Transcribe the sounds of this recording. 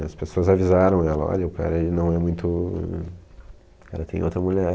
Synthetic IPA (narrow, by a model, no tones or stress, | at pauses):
ɐspesoɐzavizaɾɐ̃w̃ɛlɐɔ̰ʎɐʊka̰ɾɐelɪnɐ̃w̃ɛmũj̃t̪ʊ | ka̰ɾɐt̪ẽj̃o̰wt̪ɾɐmuʎɛɾ